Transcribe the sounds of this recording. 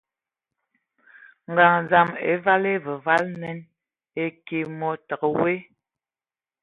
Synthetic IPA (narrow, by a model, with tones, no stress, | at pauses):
ŋ˨ɡa˨ŋza˦˨mḛ˨˦va˦le˦və˨va˦lnɛ˦n | e˦ke˨mɔ˦tə˨kə˨we˦